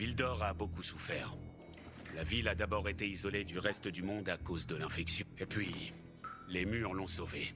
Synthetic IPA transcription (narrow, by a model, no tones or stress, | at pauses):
vild̪ɔʁabokusufɛːʁ | lavilad̪abɔʁet̪eizɔled̪yʁɛst̪əd̪ymɔ̃d̪akozd̪əlɛ̃fɛksjɔ̃epɥi | lemyʁlɔ̃sove